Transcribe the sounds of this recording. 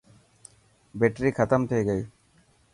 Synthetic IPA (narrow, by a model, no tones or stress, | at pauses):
beʈɾikʰɐt̪ɐmt̪ʰejɡɐji